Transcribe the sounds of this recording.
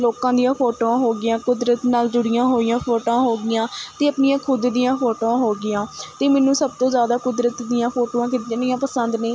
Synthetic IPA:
loːkãːd̪ɪjãːpʰoːʈoːãːɦoːɡɪjãːkʊd̪ɾət̪naːld͡ʒʊɽɪjãːɦoːɪjãːpʰoːʈõːɦoːɡɪjãːt̪eːəpnɪjãːkʰʊd̪d̪ɪjãːpʰoːʈoːãːɦoːɡɪjãːt̪eːmɛːnũːsəb̚t̪õːzjaːd̪aːkʊd̪ɾət̪d̪ɪjãːpʰoːʈoːãːk̬ɪt̪ɪjãːdɪjãːpəsənd̪neː

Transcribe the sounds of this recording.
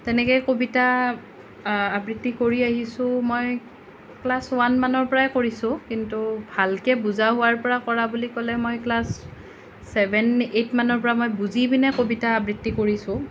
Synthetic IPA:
tɛnɛkɛjkobita | abɹitːikoɹiaɦisʊ̃moj | klaswanmanɔɹpɔɹaɛkoɹisʊ̃kintubʱalkɛbuzaɦʊwaɹpɔɹakɔɹabulikɔlɛmojklasː | ɛbɛnetmanɔɹpɔɹamojbuzibinɛkobitaːbɹitːikoɹisʊ̃

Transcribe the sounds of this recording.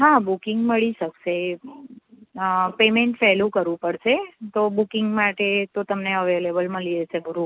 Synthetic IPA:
ɦabukɪŋɡməɭiʃəkʃe | pemeɳʈfɛɦlũkəɾʋũpəɽʃet̪obukɪŋɡmaʈet̪ot̪əmneəʋelebəlməliet͡ʃʰebʱəɾũ

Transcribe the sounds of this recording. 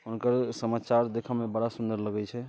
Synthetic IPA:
ɦunkəɾsəmat͡ʃaɾd̪ekʰəmebəɽasund̪əɾləɡɛt͡ʃʰɛ

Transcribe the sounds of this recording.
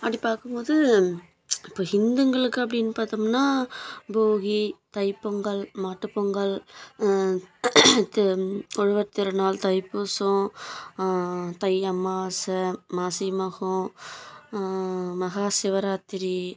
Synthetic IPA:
ɐpːɐɽpːaːɾkɯmpoːðɯ | ɪpːoːɦɪnd̪ɯŋɡɐɭɯkːɯɐpːɐɽɪnːɯpaːɾt̪ɯmnːaːboːɣit̪ɐɪpːɔŋɡɐɭmaːʈːɯpːɔŋɡɐɭ | t̪ɔɻɯʋɐɾt̪ɪɾɯnaːlt̪ɐɪpːoːsõ | t̪ɐɪɐmːaːsɐmaːsimɐɣõ | mɐɣaːsɪʋɐɾaːt̪ːɪɾi

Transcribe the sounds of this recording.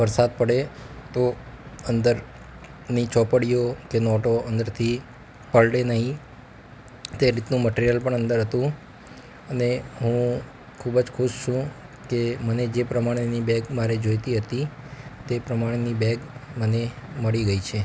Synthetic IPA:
ʋəɾsad̪̚pəɽet̪o | ənd̪əɾ | nit͡ʃɔpəɽijokenɔʈoənd̪əɾt̪ʰi | pəɭɽenəɦĩ | t̪eɾit̪nũməʈeɾijəlpəɳənd̪əɾɦət̪ũ | əneɦũ | kʰubd͡ʒkʰʊʃt͡ʃʰũ | keməned͡ʒepɾəmaɽ̃enibɛɡmaɾed͡ʒojt̪iɦət̪i | t̪epɾəmaɽ̃enibɛɡməneməɭiɡəit͡ʃʰe

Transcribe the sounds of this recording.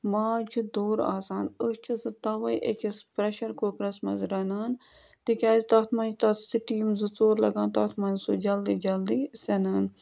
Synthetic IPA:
maːt͡ʃʰud̪oːɾa̰ːsaːnəst͡ʃʰizɨt̪ɐːʋɐjʔḛkʲɐspɾɐʃɐɾkoːkɾɐsmɐ̰zɾɐnaːn | t̪ikʲaːzt̪ɐt̪ʰmɐnd͡ʒt̪ɐsiʈiːmzɨt͡soːɾlɐ̰ɡãːnt̪ɐt̪ʰmɐnsud͡ʒɐld̪iːd͡ʒɐld̪iːsɐnaːn

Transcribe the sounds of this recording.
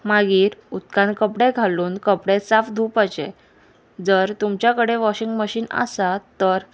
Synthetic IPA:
maɡiːɾut̪kãnkəpɽeɡʱaluːnkəpɽesafd̪ʱuːpət͡ɕḛ̃ | d͡zəɾt̪umt͡ɕjakəɽeʋɔɕiŋɡməɕiːna̰sat̪ːəɾ

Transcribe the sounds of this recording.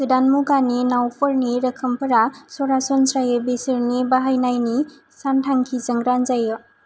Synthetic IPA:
sɯdanmuɡaninawpʰɔɾniɾəkʰɯmpʰɐɾasɔɾasɔnsɾajɯbesɯɾnibaɦajnajni | santʰaŋkʰizəŋɡɾanzajɔ

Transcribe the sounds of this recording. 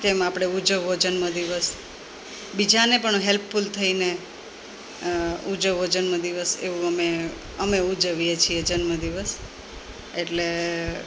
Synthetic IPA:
t̪emapɽ̃eud͡ʒəʋːod͡ʒənməd̪iʋəs | bid͡ʒanepəɳɦelpfult̪ʰəine | ud͡ʒəʋːod͡ʒənməd̪iʋəsḛʋũəme | əmeud͡ʒəʋijet͡ʃʰied͡ʒənməd̪iʋəs | eʈle

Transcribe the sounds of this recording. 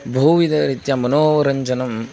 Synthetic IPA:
bʱuːʋid̪ɐɾit̪jamɐnoːɐɾɐɲd͡ʒɐnɐm

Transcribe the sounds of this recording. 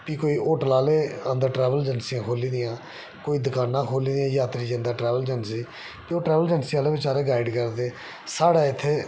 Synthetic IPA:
piːkoːiːʔoːʈəlaːleːənd̪əɾʈɾɛːʋəld͡ʒənsijãːkʰoːlĩːd̪ɪjãː | koːiːd̪əkaːnːãːkʰoːlĩːd̪ɪjãːjaːt̪ɾiːd͡ʒɪ̃nd̪aːʈɾɛːʋəld͡ʒənsiː | pioːʈɾɛːʋəld͡ʒənsiaːleːbɪt͡ʃaːɾeːɡaːɪɖkəɾd̪eː | saːɽaːɪt̪ʰːeː

